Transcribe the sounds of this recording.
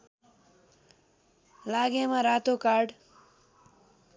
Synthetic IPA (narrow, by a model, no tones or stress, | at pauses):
laɡemaɾat̪okaɽ